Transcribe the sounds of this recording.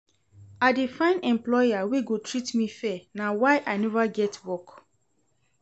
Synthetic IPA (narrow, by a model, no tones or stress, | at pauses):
adefãɪ̃nɛ̃mplɔaweɡotʰɹitmifɛnawaɪʔaɪnɛvaɡɛtwɔk